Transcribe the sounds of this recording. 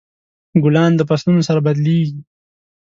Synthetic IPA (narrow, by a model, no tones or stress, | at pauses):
ɡʊlɑːnd̪əpaslunosaɾabad̪leːɡi